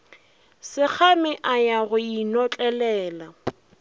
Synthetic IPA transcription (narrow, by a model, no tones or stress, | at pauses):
sɪk͡xʰamɪʔajaɣʊinɔt͡ɬʼɛlɛːla